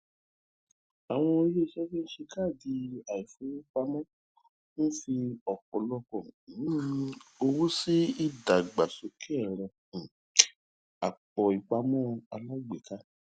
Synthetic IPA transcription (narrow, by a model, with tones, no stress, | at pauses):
a˨w̃ɔ̃˧˦je˦i˧ʃɛ˦fi˦n̩˦ʃe˧ka˦˨di˧a˨i˨fũ˨˦i˦k͡pa˧mɔ̃˦ | n̩˦fi˧ɔ˨kɔ˨lɔ˦kɔ̃˦˨˦o˧wo˦si˦i˦˨da˨ɡ͡ba˨so˨˧kʰɛ˦ɛ˦˨ɾ̃ɔ̃˧˨ | a̰˨k͡pɔ˨i˨k͡pa˧mɔ̃˦˧a˧la˦ɡ͡be˨ka˦